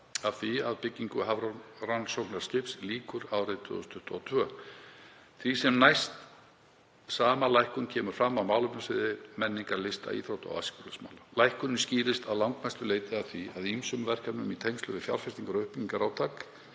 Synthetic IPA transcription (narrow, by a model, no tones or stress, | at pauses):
aðθviaðpɪcːiŋkʏɦavɾaransowknaɾ̥scɪpsliːkʏɾawret̪ʰvʏ̰ðʏst̪ʰʏht̪ɔːt̪ʰvœː | θvisɛmnajst̪ | saːmalajhkʏncʰɛːmʏ̥fɾamːaðmaːwlʏmpʏnsvɪːðɪmɛnːiŋkaɾlɪst̪a̰ḭːθɾowt̪a̰wa̰skulasma̰wlalajhkʏnnsciːlɪst̪aðlawŋkmajst̪ʏleːjt̪ɪaθviaðimsʏmvɛr̥kaɾnʏmit̪ʰejmst̪lœvɪfja̰ɾ̥fɛst̪iŋkaɾɔʏhpɪcːiŋkaɾawt̪ʰak